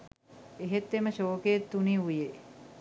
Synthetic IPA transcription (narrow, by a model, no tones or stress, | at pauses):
eɦet̪ːeməʃoːkeet̪ːuniuje